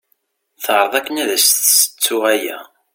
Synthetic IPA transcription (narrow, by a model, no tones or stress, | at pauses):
θəʁɾˤəðˤækːənæðæsθsə̥t͡sːʊʁæjæ̰